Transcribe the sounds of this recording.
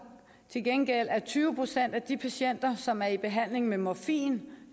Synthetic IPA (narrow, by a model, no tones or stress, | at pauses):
t͡sʰe̝lɡ̥enɡ̥el̰æɐt͡sʰyːʊəpʰʁo̝sen̰d̥æd̥ipʰæɕen̰d̥ɐsɒ̽mæɐib̥e̝ɦæn̰le̝ŋmemɒfḭːn